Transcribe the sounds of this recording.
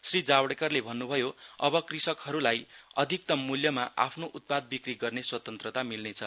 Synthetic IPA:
srid͡zawɽekʌrlebʱʌnːubʱʌjoʌbʌkrisʌkhʌɾulajʌd̪ʱik̚t̪ʌmːuljʌmaʔa̰pʰnoʔut̪̚pad̪̚bikriɡʌrneswʌt̪ʌnt̪rʌt̪amilnet͡sʰʌ

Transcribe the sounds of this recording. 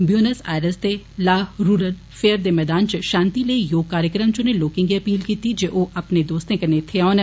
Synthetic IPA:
bijoːnəsaːɾəst̪e | laːɦɾuːɾəl | fʰeəɾd̪eːmɛːd̪aːnt͡ʃʃãːnt̪iləijoːɡ̚kaːɾjəkɾəmt͡ʃʊneloːkɪ̃ŋɡiɐpiːlkiːt̪id͡ʒeʔoːʔɐpned̪oːst̪ẽkɐɾnet̪ʰeaːn

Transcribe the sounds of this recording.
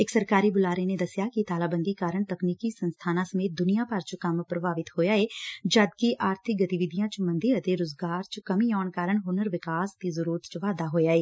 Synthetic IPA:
ɪksəɾkaːɾiːbʊlaːɾened̪əsjaːkit̪aːlaːbə̃nd̪ikaːɾəɳt̪əkniːkisənst̪ʰaːnãːsəmeːt̪̚d̪ʊnijaːpɐɾt͡ʃkɐmpɾəbʱaːʋɪt̪hoːjaːeːd͡ʒəd̪kiʔaːɾt̪ʰɪk̚ɡət̪iʋɪd̪ʱijãt͡ʃmə̃nd̪iɾət̪eɾʊzɡaːɾt͡ʃkɐmiaːɳkaːɾəɳɦʊnəɾʋɪkaːst̪izəɾuːɾət̪t͡ʃʋaːd̪aɦoːjaːeː

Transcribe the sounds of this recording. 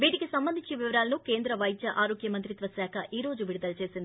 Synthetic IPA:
biːʈiɡesɐmbɐnd̪ʱit͡ʃːiʋiʋɐɾaːlnukeːnd̪ɾɐʋɐjd̪jɐʔaːɾoːɡjɐmɐnt̪ɾit̪ʋɐsaːkʰɐʔiːɾoːd͡ʒuʋiɽud̪ɐlt͡ʃeːɾsind̪

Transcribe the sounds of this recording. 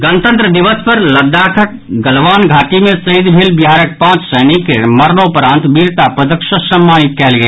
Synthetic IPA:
ɡənt̪ə̃nt̪ɾəd̪ɪʋəspɐɾlɐd̪aːkʰəʈ̚ | ɡəlʋaːnɡʱaːʈimẽsəid̪bʱɪlbjaːɾək̚pãːt͡ʃsəːnikːemɐɾnopɾãːnt̪biːɾt̪apəd̪əkʃəsə̃mːaːnɪt̪kɛɦlɡəeː

